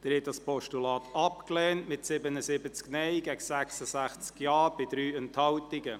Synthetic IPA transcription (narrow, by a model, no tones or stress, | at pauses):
d̥ɛɾhɛtdɑspʰɔʃtulɑːt̪ʰɑpklɛːntmɪtsɪbənəsɪbət͡sknɛɪɡ̥ɛɡəsæksəsæχt͡skjɑːb̥ɪd̪ɾyːɛnthɑwtɪɡə